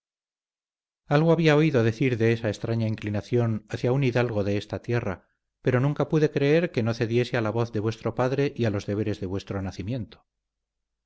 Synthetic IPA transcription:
alɣo̞aβiao̞iðo̞ðe̞θiɾðe̞esae̞st̪ɾaɲaiŋklinaθjo̞naθjauniðalɣ̞o̞ðeest̪at̪je̞ra | pe̞ɾo̞nũŋkapuðe̞kɾe̞eɾke̞no̞θe̞ðje̞sealaβo̞θðe̞βwe̞st̪ɾo̞paðɾe̞ʔialo̞zðe̞β̞e̞ɾe̞zðe̞βwe̞st̪ɾo̞naθimje̞nt̪o̥

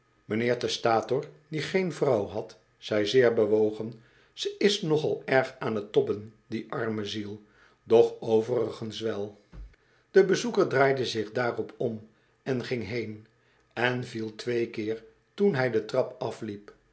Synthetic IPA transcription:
mənɪːɹtəstaːtɔɹ | diχejnvrɑwɦɑt | z̥ɛjzɪːɹbəʋowχən | z̥əɪsnɔχɑlˠɛɹχaːnətɔbəndiʔɑɹməzilˠ | dɔχowvərəχənsʋɛlˠ | d̥əbəzukəɹdraːjdəzɪχdaːrɔpʰɔm | ɛnχɪŋɦejn | ɛnvilˠtʋejkɪːɹ | tunɦɛjdətrɑpɑflip

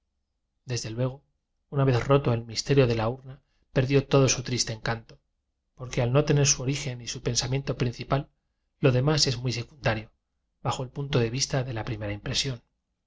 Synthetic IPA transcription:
d̪e̞zðe̞lwe̞ɣ̞o̞ | unaβe̞θro̞t̪o̞elmist̪e̞ɾjo̞ðe̞lauɾna | pe̞ɾðjo̞t̪o̞ðo̞sut̪ɾist̪eːŋkant̪o | po̞ɾke̞alno̞t̪e̞ne̞ɾsuo̞ɾixe̞nisupe̞nsamje̞nt̪opɾin̟θipalː | o̞ðe̞mase̞zmwise̞kund̪aɾjo̞ | βaxo̞elpunt̪o̞ðe̞βist̪aðe̞lapɾime̞ɾaimpɾe̞sjo̞n

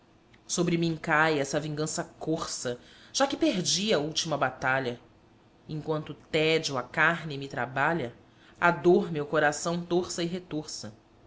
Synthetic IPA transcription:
sobɾɪmĩkajɛsɐvĩŋɡɐ̃sɐkoɾsɐʒ̥akɪpeɾd͡ʒiɐuwt͡ʃimɐbat̪aʎɐ | ẽŋ̃kwɐ̃nt̪ʊt̪ɛd͡ʒʊɐkaɾnɪmɪt̪ɾabaʎɐ | ad̪oɾmewkoɾasɐ̃w̃t̪oɾsɐɪɦet̪oɾsɐ

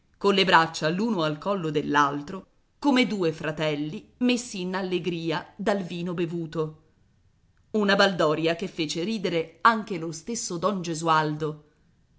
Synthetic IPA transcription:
konlːebɾat͡ʃːaluːnoalkɔlːod̪elːalt̪ɾo | komed̪uːefɾat̪ɛlːimesːiːnalːeɡɾiːad̪alviːnobevuːt̪o | unabald̪ɔːɾjakefːeːt͡ʃeɾiːd̪eɾeaŋk̟elost̪esːod̪ɔnd͡ʒezuald̪o

